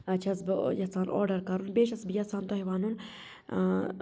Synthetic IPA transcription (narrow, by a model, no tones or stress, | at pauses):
t͡ʃʰɐsbjɐt͡saːnʔo̰ːɾɖɐɾkɐɾunbeːʃɐsbɨjɐt͡saːnt̪oɦiʋaːnun